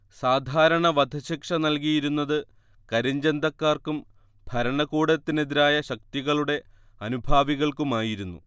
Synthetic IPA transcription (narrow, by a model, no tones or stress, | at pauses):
saːd̪ʱaːɾɐɳɐʋɐd̪ʱɐɕikʂɐnɐlk̬ijiɾunːɐðɨ | kɐɾiɲd͡ʑend̪ɐkːaːrkum | bʱɐɾɐɳɐkuːɽɐt̪ːine̞ðiɾaːjɐɕɐk̚t̪iɣɐɭuɽe̞ | ɐnubʱaːʋiɣɐɭkumaːjiɾunːṵ